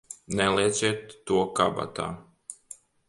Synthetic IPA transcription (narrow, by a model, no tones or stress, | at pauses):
nɛlˠiɛd̪zɛːt̪ːuɔkaba̰t̪a̰ː